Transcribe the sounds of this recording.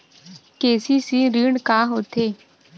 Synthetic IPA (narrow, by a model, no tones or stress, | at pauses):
keːsiːsĩːɾiːɳkaːɦoːt̪ʰeː